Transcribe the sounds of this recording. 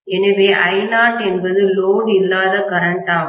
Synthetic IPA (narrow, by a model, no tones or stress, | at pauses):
ɛnɐʋeːʔɐɪnaːʈɛnbɐðɯloːɽɪlːaːðɐkɐɾɐɳʈaː